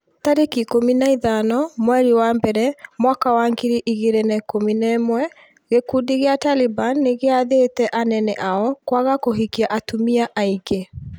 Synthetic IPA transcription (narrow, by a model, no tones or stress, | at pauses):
taɾekikominaiðanɔmwɛɾiwambɛɾɛmwakawaŋɡiɾiʔiɣeɾenɛkominɛmwɛ | ɣekudiɣeatalibanːeɣeaðetɛʔanɛnɛʔaɔkwaɣakoɦikiaʔatumiaʔaiɡe